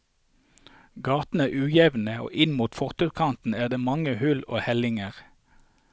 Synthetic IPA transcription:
ɡɑːt̪n̩æːʔʉːjɛʋn̩əo̰ːʔɪnmuːt̪fɔʁt̪ʉkʰɑnt̪n̩æːʁd̪eːmɑŋəhʉlo̰ːhɛlɪŋəʁ

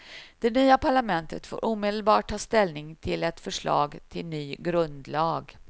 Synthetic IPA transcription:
d̪̥ɛnyːapʰaɭamɛnt̪ʰət̪fo̰ːɾʔuːmeːd̪əlbɑːʈ̚ʰːɑːst̪ɛlnɪŋt̪ʰɪlɛt̪fœʂɭɑ̰ːɡt̪ʰɪlnyːɡɾɵnd̪lɑːɡ

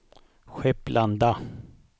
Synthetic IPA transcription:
ɧɛpːlʔand̪a

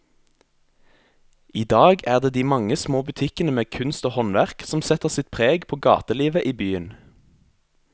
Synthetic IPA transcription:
iːd̪ɑːɡæːʁd̪eːd̪iːmɑŋəsmoːbʉt̪ʰɪkənəmeːkʰʉnst̪oːhɔnʋæʁksɔmsɛt̪əʁsɪt̪̚pʰʁeːɡpʰoːɡɑ̰ːt̪əliːʋəʔiːbyːən

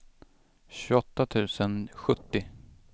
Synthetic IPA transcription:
ɕɵɔt̪ːat̪ʰʉ̟ːsənɧɵt̪ːɪ

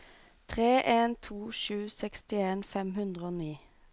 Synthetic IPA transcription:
t̪ʰʁeːʔeːnt̪ʰuːʃʉːsɛkst̪ɪeːnfɛmhʉnd̪ʁəoːniː

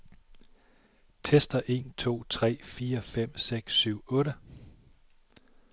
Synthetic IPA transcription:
t͡sʰesd̥ɐʔe̝ːnt͡sʰo̝̰ːt͡sʰʁɛ̰ːfiːɐfem̰seɡ̥sːyʊ̰ɔ̽ːɾə

